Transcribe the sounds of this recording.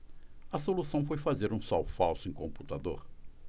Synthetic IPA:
ɐsolusɐ̃w̃fojfazeɾũsɔwfawsʊẽkõmput̪ad̪oɾ

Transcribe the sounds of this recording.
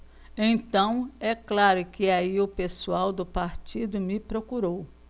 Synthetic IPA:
ẽj̃t̪ɐ̃w̃ɛklaɾʊkɪaiʊpesuawd̪ʊpaɾt͡ʃid̪ʊmɪpɾokuɾow

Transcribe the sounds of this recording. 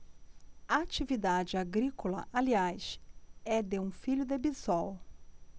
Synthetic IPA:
aat͡ʃivid̪ad͡ʒɪaɡɾikolɐ̰ʔaliajʃɛd̪eũfiʎʊd̪ebizɔw

